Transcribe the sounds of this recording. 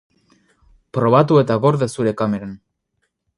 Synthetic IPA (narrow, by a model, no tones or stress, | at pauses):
pɾo̞β̞at̪ue̞t̪aɣo̞ɾðesuɾe̞kameɾan